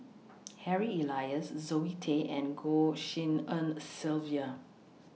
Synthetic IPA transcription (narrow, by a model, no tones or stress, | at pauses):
hɛɹiilajəszoitʰeʔɛ̃nɡoʃĩnə̃nsilviə